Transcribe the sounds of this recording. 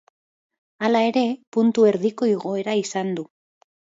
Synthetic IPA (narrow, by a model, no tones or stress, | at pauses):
alae̞ɾe̞punt̪ue̞ɾðiko̞iɣ̞o̞eɾaisand̪u